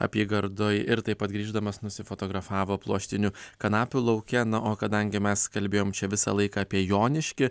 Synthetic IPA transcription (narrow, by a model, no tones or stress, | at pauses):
ɐ̰pʲiɛɡɐɾd̪oːjɪɾt̪ɐɪpɐt̪ɡɾʲiːʒd̪ɐmɐsnʊsʲɪfoːt̪oːɡɾɐfɑːʋoːplˠuɔʃʲt̪ʲɪnʲʊkɐnɑːpʲʊlˠɐʊkʲɛnɐʔoːkɐd̪ɐŋʲɡʲɪmʲɛskɐlʲbʲeːjoːmt͡ʃʲɛʋʲɪsɐ̰lˠɐɪkɑːpʲiɛjoːnʲɪʃʲkʲɪ